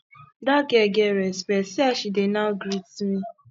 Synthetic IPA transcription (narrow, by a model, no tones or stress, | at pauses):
dakɛɡɛɾɛspɛsiaʃidenaɡɾitmĩ